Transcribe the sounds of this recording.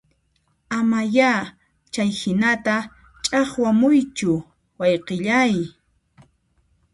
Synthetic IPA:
amaja | t͡ʃajhɪnat̪a | t͡ʃʼɑχwamʊjt͡ʃʊ | wɑjqeʎaj

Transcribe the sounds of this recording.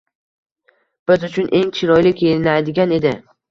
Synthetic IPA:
b̥ɪzʊt͡ʃʰʊnʔe̞ŋt͡ʃʰɪɾɒjlɪkʲʰejɪnajd̪ɪɡʲane̞d̪ɪ

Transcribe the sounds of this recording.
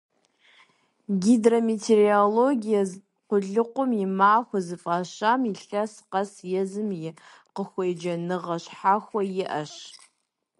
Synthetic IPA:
ɡʲidrometʰerioloɡʲijaz | qʷʊɮɨqʷʼʊmimaːxʷazɨfʼaːʃamiɬasqasjɛzɨmjɪ | qəxʷejd͡ʒɐnɨʁɐʃħaxʷajɪʔɐʃ

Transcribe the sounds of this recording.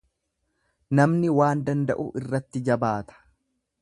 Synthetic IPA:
nɐmnɪwaːnd̪ɐnd̪ɐ̰ʔʊʔɪrːɐt̪ːɪd͡ʒɐbaːt̪ɐ̥

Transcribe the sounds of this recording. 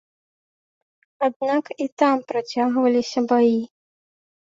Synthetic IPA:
ad̪̚nakit̪ampɾat͡sʲaɣvɐlʲisʲɐbaji

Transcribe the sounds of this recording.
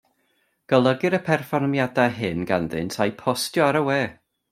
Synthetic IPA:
ɡ̥əlˠəɡɨɾəpʰɛrfɔrmjadaɦɪnɡanðɨ̰ntʰajpʰɔstjɔaɾəwɛː

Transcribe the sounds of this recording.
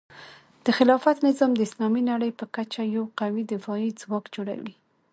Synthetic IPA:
d̪̥əxɪlɑfat̪nɪzɑmd̪əɪslɑminaɽəjpəkat͡ʃajawqawid̪ɪfɑid͡zwɑkd͡ʒoɽa̰wḭ

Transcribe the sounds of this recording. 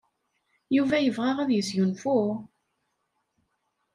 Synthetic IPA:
juvæjəvʁæʁæðjəsjunfu

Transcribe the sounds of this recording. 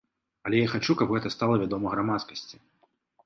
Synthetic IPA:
ɐlʲɛjaxat͡ʂukɐbɣɛt̪ɐst̪alˠɐvʲad̪ɔmɐɣɾamat̪skɐsʲt͡sʲi

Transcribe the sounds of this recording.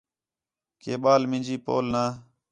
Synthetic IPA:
keːɓaːlmɪ̃nʲd͡ʒiːpo̰ːlnaː

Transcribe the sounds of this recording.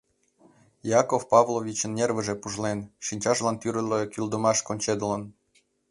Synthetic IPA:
jɑkofpɑvlˠovʲit͡ɕə̆nːʲervə̆ʒĕpuʒlenʃinʲt͡ɕɑʒlˠɑnt̪yɾə̆lekʲyld̪omɑʃkonʲt͡ɕed̪̆lə̆n

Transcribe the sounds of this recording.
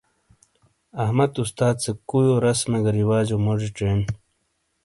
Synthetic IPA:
ɐhmɐt̪ust̪aːd̪̚t͡sekujoɾɐsmeɡɐɾiwaːd͡ʑomoʐiʈ͡ʂen

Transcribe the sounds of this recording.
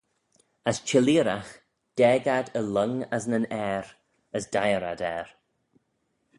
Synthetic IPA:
əst͡ʃɪliːɾax | d̥ɛːɡadələŋəsnənɛːɾ | əsd̥ajəɾa̰dɛːɾ

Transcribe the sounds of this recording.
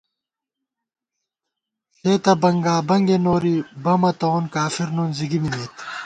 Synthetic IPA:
seːt̪ɐbɐŋɡaːbɐŋɡenoːɾibɐmɐt̪oːnkaːfiɾnuːnziɡimineːt̪

